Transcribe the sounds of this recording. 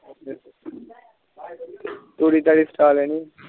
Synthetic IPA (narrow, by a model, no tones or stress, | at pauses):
t̪oːɽiːt̪aːɽiːsʈaːlɛːniː